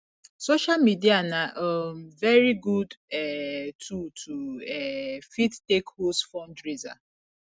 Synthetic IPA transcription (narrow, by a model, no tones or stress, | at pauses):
soʃalmidianaʔɔmvɛɹiɡudɛtʰultʰuɛfittekhosfɔ̃ndɹiza̰